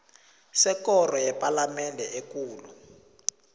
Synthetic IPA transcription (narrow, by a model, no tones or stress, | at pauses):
sɛkɔrɔjɛpʼalamɛndʱɛʔekuːlu